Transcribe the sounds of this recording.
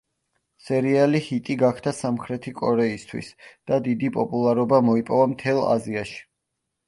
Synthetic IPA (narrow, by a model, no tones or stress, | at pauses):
sɛɾialihit̪ʼiɡakʰd̪asamχɾɛt̪ʰikʼɔɾɛist̪ʰwḭsd̪̥ad̪id̪ipʼɔpʼulˠaɾɔbamɔipʼɔvamt̪ʰɛlˠa̰ziaʃi̥